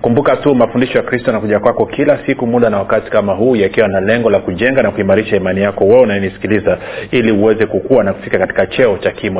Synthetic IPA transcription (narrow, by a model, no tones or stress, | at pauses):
kumbukatumafundiʃɔjakɾistɔjanakuʄakwakɔkʰilasikumuɗanawakati̥kamaɦuːjakiwanalɛŋɡɔlakuʄɛŋɡanakuimaɾiʃaimanijakɔwɛɛunajɛnisi̥kilizailiuwɛzɛkukuwanaku̥fikakati̥kat͡ʃɛɔt͡ʃakimɔ